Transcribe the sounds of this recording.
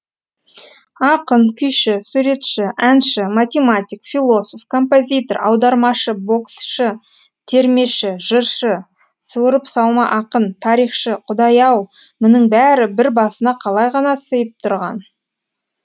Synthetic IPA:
ɑqənkʲʰʏjʃɪsuɾe̞t̪ʃɪʔænʃɪmat̪ʲe̞mat̪ʲikfilˠo̞sofkʰo̞mpo̞zʲit̪o̞ɾɑ̰wd̪ɑɾmɑʃəbo̞ksʃə | t̪ʰe̞ɾme̞ʃɪʒ̥əɾʃə | suwɾəpsɑw̪ˠmɑʔɑqənt̪ʰɑɾijχʃəqʰʊd̪ɑjɑw | mɪnɪŋbæɾɪbɪɾbɑsənɑqʰɑlˠɑjʁɑnɑsəjəp̚t̪ʰʊɾʁɑn

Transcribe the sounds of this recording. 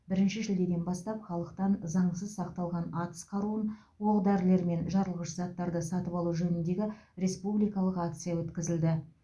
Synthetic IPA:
bɪɾɪnʃɪʒɪld̪e̞d̪e̞nbɑst̪ɑpχɑlˠəqt̪ɑnzɑɴəs̬əzsɑqt̪ɑlˠʁɑnɑt̪ə̥sqʰɑɾuən | woʁd̪æɾɪle̞ɾme̞nʒɑɾəlˠʁəʃzɑt̪ːɑɾd̪əsɑt̪əpɑlˠuʒɵnɪnd̪e̞ɡʲɪɾe̞spublijkɑlˠəqak̚t̪sɨjawɵt̪kʲɪzɪld̪ɪ

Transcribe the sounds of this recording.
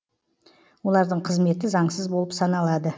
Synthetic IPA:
wo̞lˠɑɾd̪əɴqʰəzme̞t̪ɪzɑɴsəzbo̞lˠəpsɑnɑlˠɑd̪ə

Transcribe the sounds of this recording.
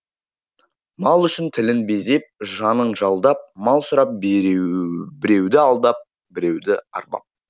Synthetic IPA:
mɑlˠʏʃɪnt̪ʰɪlɪnbe̞ze̞p̚ʒɑnəɴʒɑlˠd̪ɑp̚mɑlˠsʊɾɑp̚b | bɪɾe̞wd̪ɪɑlˠd̪ɑp̚ | bɪɾe̞wd̪ɪɑ̰ɾpɑ̰p̚

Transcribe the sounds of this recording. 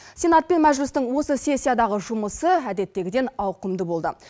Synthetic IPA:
senat̪̚pe̞nmæʒlɪst̪ɪŋwo̞səse̞sʲːijad̪ɑʁəʒʊməsəæd̪e̞t̪ːe̞ɡʲɪd̪e̞nɑwqəmd̪əbo̞lˠd̪ə̰

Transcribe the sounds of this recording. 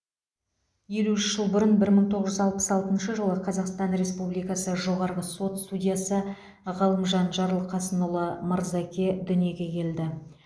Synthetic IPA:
je̞luʏʃʒ̥əlˠbʊɾənbɪɾməɴt̪ʰo̞ʁəʒʏzɑlˠpə̥sɑlˠt̪ənʃəʒəlˠəqʰɑzɑqst̪ɑnɾe̞spublijkɑsəʒo̞ʁɑɾʁəso̞t̪st̪ud̪ʲijɑsə | ʁəlˠəmʒɑnʒɑɾəlˠqʰɑsənulˠəməɾzɑkʲe̞d̪ʏnije̞ɡʲe̞kʲʰe̞ld̪ɪ

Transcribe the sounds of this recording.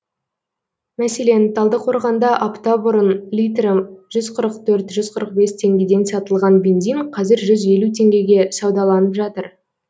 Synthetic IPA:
mæse̞le̞nt̪ʰɑlˠd̪əqʰo̞ɾʁɑnd̪ɑʔapt̪ɑbʊɾənlʲijt̪rəʒʏzqʰəɾəqt̪ʰɵɾt̪ʒʏzqʰəɾəq̚be̞st̪ʰe̞ŋɡʲe̞d̪e̞nsɑt̪əlˠʁɑnbe̞nzijnqʰɑzɪɾʒʏze̞lut̪ʰe̞ŋɡʲe̞ɡʲe̞sɑwd̪ɑlˠɑnəpʒɑt̪əɾ

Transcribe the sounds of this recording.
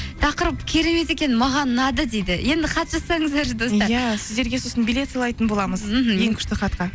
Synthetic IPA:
t̪ʰɑqəɾəpkʲʰe̞ɾe̞me̞t̪e̞kʲe̞nmɑʁɑnːɑd̪əd̪ejd̪ɪje̞nd̪ɪqʰɑt̪ʒɑsɑɴəzd̪ɑɾd̪o̞sɑɾjæsɪzd̪e̞ɾɡʲe̞so̞sənbilʲe̞t̪sɑlˠɑjt̪ənbo̞lˠɑməz̩je̞ŋkʲʰʏ̥ɾt̪ɪχɑt̪qɑ

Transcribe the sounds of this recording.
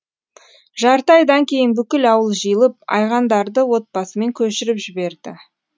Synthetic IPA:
ʒɑɾt̪ɑjd̪ɑŋkʲʰe̞jɪnbʏkʲɪlɑwəlˠʒijlˠəp̚ɑ̰jʁɑnd̪ɑɾd̪əwo̞t̪̚bɑsəme̞ŋkʲʰɵʃɪɾɪpʒɪbe̞ɾd̪ɪ

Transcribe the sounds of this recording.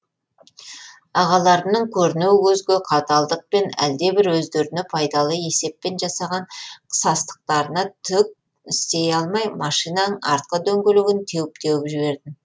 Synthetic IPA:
ɑʁɑlˠɑɾənəɴkʲʰɵɾɪnuwɪwɵzɡʲɪqʰɑt̪ɑlˠd̪əq̚pe̞næ̰ld̪e̞bɪɾwɵzd̪e̞ɾɪnɪpʰɑjd̪ɑlˠəe̞se̞pːe̞nʒɑsɑʁɑɴqʰə̥sɑst̪ə̥q̚t̪ɑɾənɑt̪ʰʏk̚ | ɪst̪e̞jɑlˠmɑjmɑʃijnɑnəɴɑɾt̪̚qəd̪ɵŋɡʲelɪɡɪnt̪ʰe̞wɪp̚t̪e̞wɪpʒɪbe̞ɾd̪ɪm

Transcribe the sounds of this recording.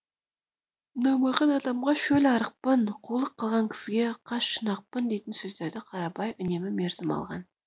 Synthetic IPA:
nɑjmɑqɑnɑd̪ɑmʁɑʃɵlɑɾəq̚pənqʰolˠəqʰːəlˠʁɑŋkʲʰɪ̥sɪɡʲe̞qʰɑʃʃənɑq̚pənd̪e̞jt̪ɪnsɵzd̪eɾd̪ɪqʰɑɾɑpɑjʔʏne̞mɪmeɾzɪmɑ̰lˠʁɑ̰n

